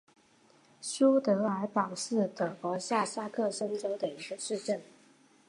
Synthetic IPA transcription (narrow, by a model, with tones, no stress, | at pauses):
ɕu˥t̪ɤ˧˥a˧˥ɪpɑ˨˩ʊʂɻ̩˥˩t̪ɤ˨˩kwɔ˧˥ɕja˥˩sa˥kʰɤ˥˩ʂə˥nʈ͡ʂo˥ʊd̪ə˨i˧˥ɡə˧ʂɻ̩˥˧ʈ͡ʂə˥˩n